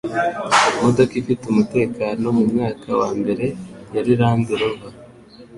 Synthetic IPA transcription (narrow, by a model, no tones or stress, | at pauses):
mudokifitumute̞ːkaːno̞mumŋaːkawaːmbe̞ɾe̞jaɾiɾaːndiɾoβa